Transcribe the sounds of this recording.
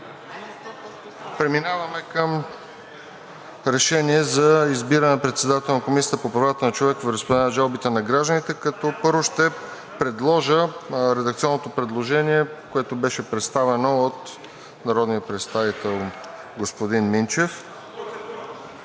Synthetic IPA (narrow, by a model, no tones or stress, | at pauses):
pɾɛminavɐmɛkəm | ɾɛʃɛniɛzɐizbiɾənɛnpɾɛt̪sɛd̪at̪ɛlˠnɐkomisijət̪əpopɾɐvat̪ənɐt͡ʃovɛkvɾəspod̪ɛnɐʒalˠbit̪ɛnɐɡɾaʒd̪ənit̪ɛkɐt̪ɔpɤɾvoʃt̪ɛ | pɾɛd̪lˠɔʒəɾɛd̪ək̚t̪siɔnːot̪opɾɛd̪lˠoʒɛniɛkoɛt̪obɛʃɛpɾɛt̪st̪avɛnoot̪ | nɐɾɔd̪nijəpɾɛt̪st̪avit̪ɛlˠ | ɡospod̪inmint͡ʃɛf